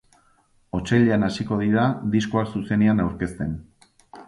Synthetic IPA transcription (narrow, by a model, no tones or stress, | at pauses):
o̞t͡ʃeʎeanasiko̞ð̞iɾaðiskoasuse̞neanawɾke̞st̪e̞n